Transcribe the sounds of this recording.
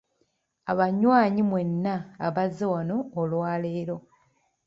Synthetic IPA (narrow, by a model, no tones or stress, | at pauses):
aβaɲwaːɲimwe̞nːaːβazewanoːlwaːleːɾo̞